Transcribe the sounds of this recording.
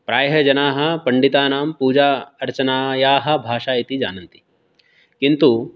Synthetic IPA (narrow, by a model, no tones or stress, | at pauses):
pɾaːjɦɐd͡ʒɐnaːɦɐ̆pɐɳɖit̪aːnaːmpuːd͡ʒaːɐɾt͡ʃɐnaːjaːɦɐ̆bʱaːʃaːit̪id͡ʒa̰ːnɐnt̪i̥ | kint̪u